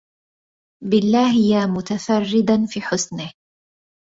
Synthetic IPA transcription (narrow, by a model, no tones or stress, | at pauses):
bɪlːaːɦɪjamʊt̪afɑrːɪd̪afiːħʊsnɪh